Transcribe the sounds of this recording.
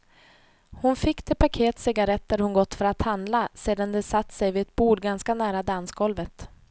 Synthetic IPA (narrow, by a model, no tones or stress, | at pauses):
hʊnfɪkːd̪ɛpʰakʰeːt̪sɪɡaɾɛt̪ːæɾhʊnɡɔt̪ːfœɾat̪hand̪laseːd̪and̪ɛsat̪ːsɛjvɪɛt̪̚buːɖɡanskanæːɾad̪ansɡɔlvət̪